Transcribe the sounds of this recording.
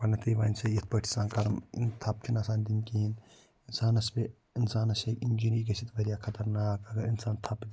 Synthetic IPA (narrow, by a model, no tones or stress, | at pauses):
pɐnɐt̪ʰiʋaːnʲsɐjit̪̚ʰpɐʈʰi̥saːnkɐɾɐmint̪ʰɐp̚t͡ʃʰinaːsaːnd̪inkiin | insaːnɐsbe | insaːnɐsɐkind͡ʒiɾikɐsit̪ʋɐɾijaːkʰɐt̪ɐɾnaːkɐɡɐɾinsaːnt̪ʰɐpd̪